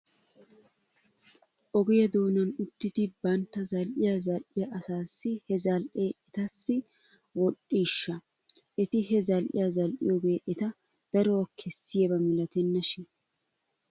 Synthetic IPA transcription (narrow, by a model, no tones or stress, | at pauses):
ʔɔɡɪjɐd̪oːnɐnʊt̪ːɪt̪ɪbɐnt̪ːɐzɐlʔɪjɐzɐlʔɪjɐʔɐsaːsːɪhɛzɐlʔeːʔɛt̪ɐsːɪ | wɔɗiːʃːɐ | ʔɛt̪ɪhɛzɐlʔɪ̰jɐzɐlʔɪ̰joɡeːʔɛt̪ɐ | d̪̥ɐɾowɐkʰɛsːɪjɐbɐmɪlɐt̪ɛnːɐʃɪ